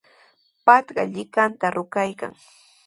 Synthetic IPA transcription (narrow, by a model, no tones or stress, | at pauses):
pat̪ɢɑʎɪkant̪aɾʔʊkajka̰ŋ